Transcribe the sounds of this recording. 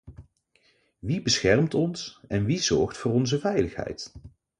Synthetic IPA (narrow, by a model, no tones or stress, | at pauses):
ʋibəsχɛrmtɔnsɛnʋizɔɹχtfʊːɹɔnzəvɛjləχɦɛ̰jt